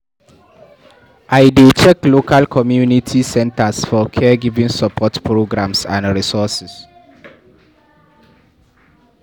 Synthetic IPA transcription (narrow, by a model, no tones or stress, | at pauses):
ʔajdet͡ʃɛklokalkʰɔmjunitʰisɛ̃ntasfɔkʰɛɡivĩŋsɔpʰɔtpɹoɡɹãmsã̰ndɹisɔsis